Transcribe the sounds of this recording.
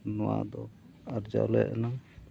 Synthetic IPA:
nɔwad̪ɔ | aɾd͡ʒa̰lɛjʔana

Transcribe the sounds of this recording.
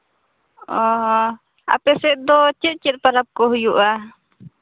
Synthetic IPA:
ɔ̃ɦɔ | a̰pɛsɛʔ̚d̪ɔt͡ʃɛt̪̚t͡ʃɛt̪̚paɾap̚kɔɦujuʔa

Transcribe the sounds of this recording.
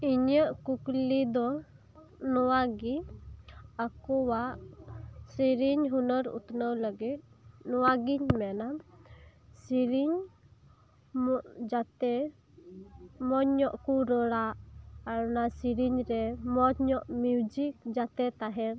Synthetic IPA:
iɲəʔkuklid̪ɔ | nɔwaɡi | akɔwaʔ | siɾiɲɦunəɾṵt̪nəwləɡit̪̚nɔwaɡiɲmɛna | siɾiɲ | mɔʔd͡ʒat̪ɛ | mɔɲɲɔʔkuɾəɽaʔaɾnasiɾiɲɾɛmɔɲɔʔmiud͡ʒik̚d͡ʒat̪ɛt̪aɦɛɾ

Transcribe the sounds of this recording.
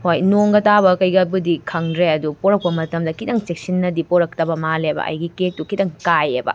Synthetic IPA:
hojnoŋɡɐtabɐkɐjɡɐbudikʰɐŋdɾeɐdupoɾɐk̚pɐmɐtɐmdɐkidɐŋt͡ʃek̚sinːɐdipoɾɐk̚tɐbɐmalebɐ̰ʔɐ̰jɡikek̚tukidɐŋkajḛbɐ̰

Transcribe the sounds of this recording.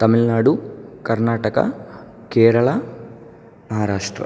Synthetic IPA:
t̪ɐmilnaːɽukɐɾnaːʈɐkɐ̰ | keːɾɐɭɐ | mɐɦaːɾaːʂʈɾɐ̰

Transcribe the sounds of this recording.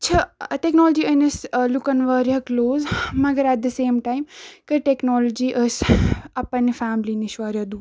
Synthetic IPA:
t͡ʃʰɐʈeknɔːld͡ʒiənɐslukɐnʋɐɾjɐkloːzmɐɡəɾæʈ̚d̪ɐseːmʈaːjmkəʈeknɔːlɔd͡ʒiʔəsɐpɐnifaːmliniʃʋɐɾjɐd̪u

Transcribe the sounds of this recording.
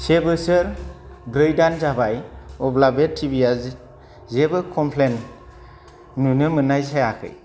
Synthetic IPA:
sebɯsɯɾ | bɾɯjdanzabajɔblabetʰibijaz | zebɯkʰɔmpʰlen | ujnɯmɯnajsajakʰɯ̰j

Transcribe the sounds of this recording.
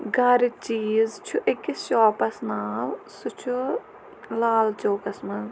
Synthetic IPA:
ɡɐɾit͡ʃiːzt͡ʃʰuʔɐkisʃɔːpɐsnaːlsut͡ʃʰu | laːlt͡ʃoːkɐsmɐn

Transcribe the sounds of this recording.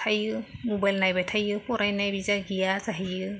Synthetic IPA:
tʰajɯmobajlnajbajtʰajɯpʰɔɾajnajbizaɡijazaɦijɯ

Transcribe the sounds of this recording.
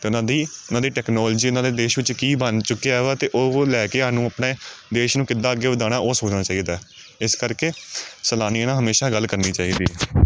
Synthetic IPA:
t̪eːʊnãːd̪iʊnãːd̪iːʈɛːknɔːld͡ʒiːʊnãːd̪eːd̪eːʃʋɪt͡ʃkiːbənt͡ʃʊkːeɛːʋaːt̪eːʔoːlɛːkeːɦaːnũːəpneːd̪eːʃnũːkɪd̪ːãːəɡːeːʋəd̪aːñaːʔoːsoːt͡ʃnaːt͡ʃaːiːd̪aː | ɪskəɾkeːsəlaːnijːnãːɦəmeːʃaːɡəlːkəɾniːt͡ʃaːiːd̪iːɛː

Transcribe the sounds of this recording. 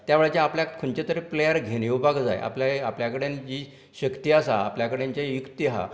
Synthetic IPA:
t̪jaʋeɭt͡ɕaapljakʰuɳt͡ɕet̪əɾeplejəɾɡʱenewbaɡd͡za̰jʔa̰pljaapljakəɽend͡ʑiː | ɕəkt̪iasa̰ːpljakəɽeɲt͡ɕajukt̪iɦa̰

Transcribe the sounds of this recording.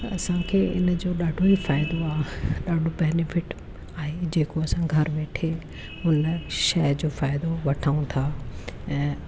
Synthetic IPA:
ɐsãkʰeːɪ̰nd͡ʑoːɗaːɖʱoifaːɪd̪oaːɦɗaːɖʱobɛːnɪfɪʈ | aːɦed͡ʑeːkoɐsãɡʱɐɾʋeːʈʰe | ʊnʃɐɦd͡ʑoːfaːɪd̪oʋɐʈʰaːũt̪ʰaːɛ̃ː

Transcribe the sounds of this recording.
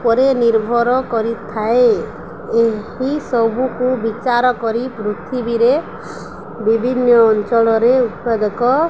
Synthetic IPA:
pɔɾeniɾbʱɔɾɔkɔɾit̪ʰae | eɦisɔbukubit͡ʃaɾɔkɔɾipɾut̪ʰibiɾe | bibʱinːɔːnt͡ʃɔɭɔɾeut̪̚pad̪ɔkɔ

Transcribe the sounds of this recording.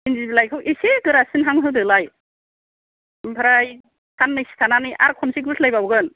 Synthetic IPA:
inzibilajkʰɯwʔeseɡɯɾasɯnɦaŋɦɯdɯlaj | mpʰaɾaj | tʰanːɯjsi̥tʰananɯjʔa̰ɾkʰɔnsik̬̚bɯslajbawɡɯn

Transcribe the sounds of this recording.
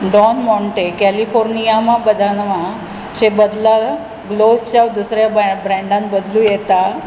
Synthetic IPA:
ɖɔnmɔɳʈekɛlifoɾnijamãbəd̪ʱanʋã | t͡ɕebəd̪la | ɡlost͡ɕjaʋd̪usɾjabɾɛ̃ɳɖãnbəd̪lũjɛt̪a

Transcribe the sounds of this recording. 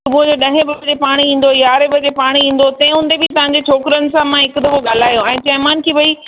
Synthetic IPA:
t̪ʊmũd͡ʑoɗɐ̃ɦẽbɪbd͡ʑepaːɽ̃iĩːn̆d̪ojaːɾebɐd͡ʑepaːɽ̃iĩːn̆d̪ot̪ɛ̃ɪ̃ɦʊ̃n̆d̪ebɪt̪ɐʋ̤ãɲ̆d͡ʑet͡ɕʰoːkɪɾənɪ̆sãmãɦɪkd̪ɐʋoɠaːl̤aːjoɛ̃ːt͡ɕɐɦɪmaːnkʰiːʋɐiː

